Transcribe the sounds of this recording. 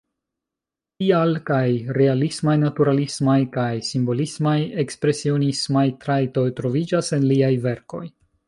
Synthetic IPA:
tialkajɾe̞alismajnatuɾalismajkajsimbo̞lismaje̞kspɾe̞sio̞nismajtɾajto̞jtɾo̞vid͡ʒase̞nliajve̞ɾko̞j

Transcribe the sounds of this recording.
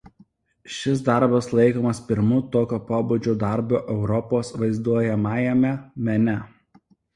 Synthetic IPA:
ʃʲɪs̬d̪ɐɾbɐslˠɐɪkoːmɐspʲɪɾmut̪oːkʲoːpoːbud͡ʒʲud̪ɐɾboːʔɛʊɾɔpoːsʋɐɪzd̪uɔjɛmɑːjɛmʲɛmʲɛnʲɛ

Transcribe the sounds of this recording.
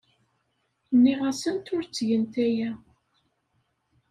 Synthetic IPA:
nːiʁæsənt̪ʊɾt͡sːʝənt̪æjæ

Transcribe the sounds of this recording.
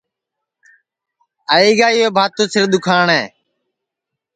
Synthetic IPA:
aːiːɡaːiːeːbʱaːt̪õːsɪɾɗ̪ʊkʰaːɳeː

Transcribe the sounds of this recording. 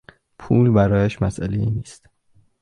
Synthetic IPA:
pʰuːlbæɾɒːjæʃmæsʔælejiːniːst̪

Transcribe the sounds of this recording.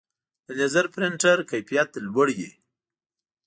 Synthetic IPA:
d̪ənazaɾpɾɪɳʈaɾkajpijat̪lwəɽjḛ

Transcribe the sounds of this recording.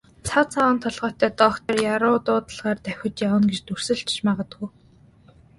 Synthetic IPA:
t͡sʰat͡sʰawənt̪ʰɔɮʁœːt̪æːt̪ɔkt̪ərjaɾʊːt̪ʊːt̪ə̆ɮʁaːrt̪æxʲɪ̆t̪jawə̆nɡet͡ɕt̪ur̥sɘ̆ɮt͡ɕt͡ɕmaʁə̆t̪ɡu

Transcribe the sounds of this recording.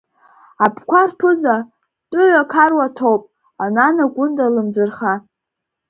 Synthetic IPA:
apʰkʷarpʰɨza | tʼʊʕʷakʰarwatʰowpʼ | ananaɡʷʊndʼalɨmd͡zɨrχa

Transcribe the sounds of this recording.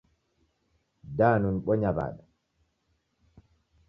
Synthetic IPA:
daːnunɓɔɲaba̰ːɗa

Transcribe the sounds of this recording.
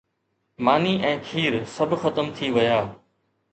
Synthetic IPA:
maːniʔɛ̃ːkʰiːɾsɐbʱxɐt̪əmt̪ʰiʋɐjaː

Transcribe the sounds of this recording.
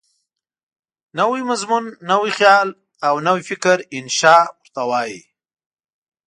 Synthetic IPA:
nawimazmunːawixjɑl | awnawifɪkɾɪnʃɑːwʊɾt̪awɑji

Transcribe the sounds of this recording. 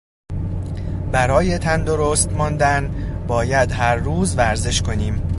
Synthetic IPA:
bæɾɒːjet̪ʰænd̪o̞ɾoːst̪mɒːnd̪ænbɒːjæd̪ɦæɾːuːzvæɾze̞ʃkʰo̞niːm

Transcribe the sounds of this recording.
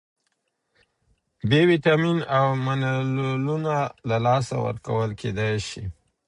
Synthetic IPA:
bewit̪ɑminawmanallunalalɑsa̰wə̰ɾka̰wəlkʰed̪ajʃi

